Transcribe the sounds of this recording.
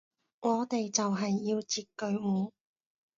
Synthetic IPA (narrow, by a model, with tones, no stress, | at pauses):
ŋɔː˨˧t̪e˨jt͡sɐ˨wɦɐ˨jːiː˧wt͡siː˨t̚kɵ˧ɥŋuː˨˧